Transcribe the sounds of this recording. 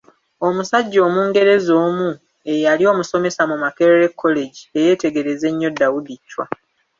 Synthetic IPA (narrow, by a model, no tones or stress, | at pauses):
o̞musaɟːo̞ːmuːŋɡe̞ɾe̞zo̞ːmu | e̞jalio̞ːmuso̞me̞samumakeɾeɾekʰːo̞le̞ɟie̞je̞ːte̞ɡe̞ɾe̞ze̞ɲːo̞dːawudicːwa